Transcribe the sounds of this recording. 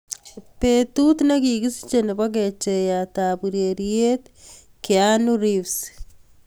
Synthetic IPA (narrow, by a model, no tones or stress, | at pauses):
petutnekiɣisi̥t͡ʃeneβwak̬et͡ʃejataβuɾeɾiet | kjanuɾifs